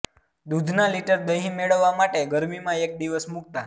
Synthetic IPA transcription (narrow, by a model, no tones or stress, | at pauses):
d̪ud̪ʱnaliʈəɾd̪əɦĩmeɭəʋːamaʈeɡəɾmimãek̚d̪iʋəsmuk̚t̪a